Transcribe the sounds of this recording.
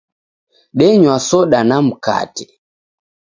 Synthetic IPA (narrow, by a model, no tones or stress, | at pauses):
ɗɛɲwasɔɗanam̩ka̰tɛ